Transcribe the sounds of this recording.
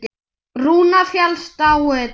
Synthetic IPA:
ruːnafjalst̪awɛ

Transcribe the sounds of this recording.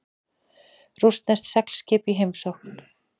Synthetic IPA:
rust̪nɛst̪sɛkl̥scɪːpiɦejmsowhkn̥

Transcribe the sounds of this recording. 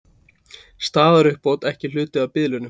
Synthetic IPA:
st̪aːðaɾʏhpoːwt̪ɛhcɪl̥ʏːt̪ɪawpɪðlʏnʏm

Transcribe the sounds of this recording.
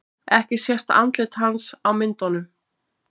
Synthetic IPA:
ɛhcɪ̥sjɛr̥t̪a̰nt̪lɪt̪ɦansawmɪnt̪ɔnʏm

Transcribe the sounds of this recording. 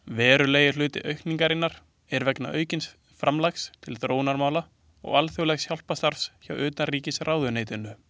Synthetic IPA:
vɛːɾʏleːjɪ̥lʏːt̪ɪʔœɥhkniŋkaɾɪnːaɾ̥ | ɛɾvɛkna̰ʔœɥcɪns | fɾamlaxst̪ʰɪlθɾoːwnaɾmaːwla | ɔ̰ɣalθjœwlɛxsçawl̥past̪aɾvsçawʏːt̪ariːcɪsrʔaːwðʏneːjt̪ɪnːʏ

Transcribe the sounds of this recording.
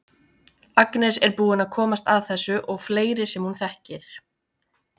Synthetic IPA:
aknɛsɛɾpuːðɪnaðkʰɔːmast̪aðθɛsːʏʔɔɣfleːjɾɪsɛmhunθɛhcɪɾ̥

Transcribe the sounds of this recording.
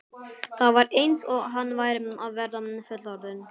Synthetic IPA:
θawvaɾejnsɔɣɦanːvaːjɾɪnmawvɛɾðamnfœt̪laɾðʏn

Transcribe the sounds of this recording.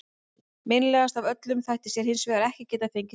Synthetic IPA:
mejnlɛːɣast̪avœt̪lʏmθajht̪ɪ̥sjɛɾ̥hɪnsvɛːɣaɾɛhcɪcɛːt̪aθejɲcɪ

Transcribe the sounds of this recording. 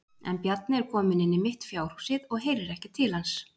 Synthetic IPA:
ɛ̰npjat̪̚nɪɛɾ̥kʰɔːmɪnɪnːɪmɪht̪fjaːwr̥hu̥sɪðɔɣɦeːjɾɛɾɛhcɪt̪ʰɪlhans

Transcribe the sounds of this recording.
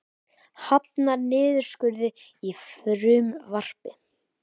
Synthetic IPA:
hap̚naɾnɪːðʏɾ̥skʏɾðɪifɾʏmvar̥pɪ

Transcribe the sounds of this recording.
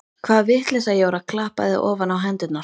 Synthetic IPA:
kʰvaːðvɪht̪lɛsajɛɔɾakʰlaːhpa̰ðɪ̰ʔɔːvanawɦɛnt̪ʏt̪na

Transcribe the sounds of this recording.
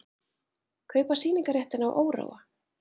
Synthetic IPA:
kʰœːɥpasiːniŋkaɾjɛht̪ɪnawʔoːwɾa̰wa

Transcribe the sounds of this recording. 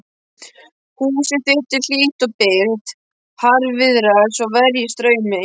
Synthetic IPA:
huːsɪθɪht̪ɪl̥iːht̪ɔpɪɾt̪ | haɾvɪðɾaðɪsɔvɛɾjɪst̪ɾœːɥmɪ

